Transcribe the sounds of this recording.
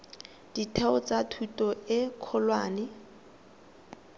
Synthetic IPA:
d̥itʰɛʊt͡sʼatʰutʼɔɪkʰɔlwaːnɪ

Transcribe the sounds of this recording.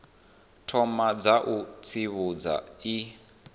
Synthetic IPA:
tʰɔmad͡zaʔut͡sʰiβud͡za̰i

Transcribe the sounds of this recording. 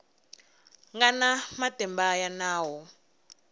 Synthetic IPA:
ŋɡanamatɛmbajanaːwɔ

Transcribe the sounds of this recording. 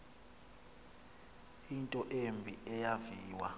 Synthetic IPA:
intʼɔʔembʱiɛjaviːwa

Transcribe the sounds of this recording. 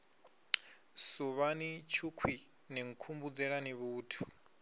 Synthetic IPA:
suβanit͡ʃʰukʰwi | niŋ̩kʰumbud͡zɛɺaniβuːtʰu̥

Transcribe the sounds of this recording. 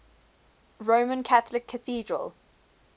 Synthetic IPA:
ɹoʊmə̃nkʰaθəlɪkʰːəθiːdɹə̰l

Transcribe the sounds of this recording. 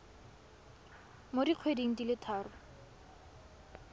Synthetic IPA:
modiq͡χʰwediŋ̩dilɪtʰaːrʊ

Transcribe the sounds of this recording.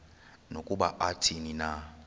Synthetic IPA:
nokʼuɓaʔatʰinina

